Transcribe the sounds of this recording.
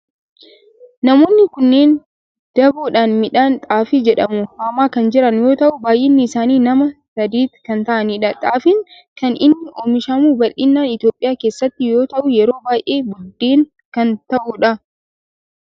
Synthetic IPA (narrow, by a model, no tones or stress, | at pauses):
nɐmo̞ːnːɪkʊnːeːn | d̪̥ɐbuːᶑaːnmɪᶑaːnt̪ʼaːfid͡ʒɛᶑɐmʊhaːmaːkɐnd͡ʒɪɾɐnjo̞ːt̪ɐʔʊbaːjʔɪnːɪɪsaːniːnɐmɐsɐd̪iːt̪kɐnt̪ɐʔɐniːᶑɐt̪ʼaːfɪŋ | kɐnʔɪnːɪʔoːmɪʃɐmuːbɐlːɪnːaːnɪt̪jo̞ːpʼːɪjaːke̞ːsːɐt̪ːɪjo̞ːt̪ɐʔʊjɛɾo̞ːbaːjʔeːbʊd̪ːeːŋ | kɐnt̪ɐʔʊᶑɐ